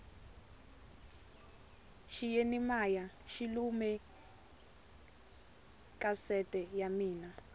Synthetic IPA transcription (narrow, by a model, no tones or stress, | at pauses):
ʃijenimaja | ʃilumɛ | kʼasɛtʼɛjamiːna